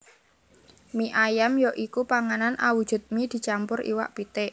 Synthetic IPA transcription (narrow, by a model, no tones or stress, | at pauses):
miʔajamjoʔikupaŋananʔawud̥ʒ̥ʊ̤t̪̚mid̪̥i̤t͡ʃampʊrʔḭwa̰ʔpit̪ɪʔ